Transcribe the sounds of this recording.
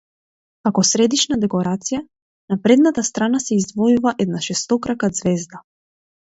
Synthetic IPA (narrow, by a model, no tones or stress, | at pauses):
kakɔsɾɛd̪iʃnad̪ɛkɔɾat̪sija | napɾɛd̪nat̪ast̪ɾanasɛizd̪vɔjuvaʔɛd̪naʃɛst̪ɔkɾakad̪zvɛzd̪a